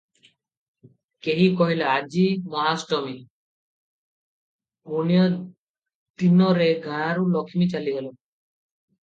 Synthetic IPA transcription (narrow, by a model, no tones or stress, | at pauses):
keɦikoɦilead͡ʑimɔɦasʈomi | munijo | d̪inoɾeɡʱaaɾulɔkʰimit͡ɕaliɦelo